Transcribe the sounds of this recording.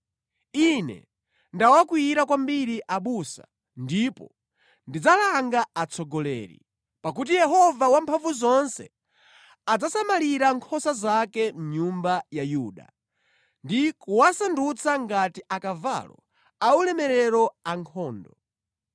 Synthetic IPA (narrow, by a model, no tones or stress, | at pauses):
inɛ̰ | ndawakwiɾakwambiɾiʔaɓusa̰ | ndipɔ̰ | ndid͡zalaŋɡaat͡sʰɔɡɔlɛ̰ːɾḭ | pakut̬ijɛɦɔvawampʰaɱvuzɔnsɛ | ad͡zasamaliɾaŋkʰɔsazakɛm̩ɲumbajajuːɗa̰ | ndikuwasandut͡sʰaŋɡatiʔakava̰lɔ̰ | aulɛmɛɾɛɾɔaŋkʰɔːndɔ